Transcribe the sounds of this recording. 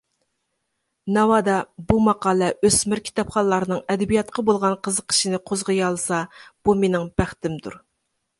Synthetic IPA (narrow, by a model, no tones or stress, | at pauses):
nɑwɑd̪ɑbumɑqɑːlˠɛʔøsmɪɾkʲʰi̥t̪ɑpχɑlːˠɑɾɨnɨŋɛd̪ɛbijɑt̪̚qʰɑbolˠʁɑnqʰəzəqʰə̥ʃinɪqʰozʁəjɑlˠsɑb̥umenɪŋbæχt̪ɪmd̪ṵɾ